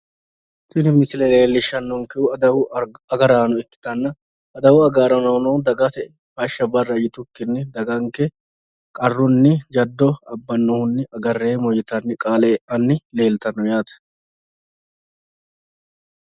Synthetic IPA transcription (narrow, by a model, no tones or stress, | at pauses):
t̪ɪnɪmɪsɪlɛle̞ːlːɪʃːɐnːɔŋkɛʊɐwʊɐɡɐɾaːnʊɪkːɪ̥t̪ɐnːɐ | ɐd̪ɐwʊɐɡaːɾɐnɐːnoːd̪ɐɡɐt̪ɛ | hɐʃːɐbɐrːɐjɪt̪ʊkːɪnːɪd̪ɐɡɐŋkɛ | kʼɐrːʊnːɪd͡ʒɐd̪ːɔɐbːɐnːɔhʊnːɪʔɐɡɐrːeːmɔjɪt̪ɐnːɪkʼaːleːʔɐnːɪle̞ːlt̪ɐnːɔjaːt̪ɐ̥